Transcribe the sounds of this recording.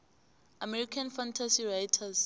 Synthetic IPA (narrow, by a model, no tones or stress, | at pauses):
amɛɾikʰanfantʰasirajtʰas